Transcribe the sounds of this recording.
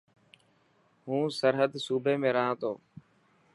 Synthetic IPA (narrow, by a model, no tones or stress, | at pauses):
ɦũːsəɾɦəd̪suːbʱeːmẽːɾəɦãːt̪ʰoː